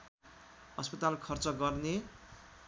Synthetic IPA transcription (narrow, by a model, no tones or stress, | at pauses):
ʌspʌt̪alkʰʌrt͡sʌɡʌrne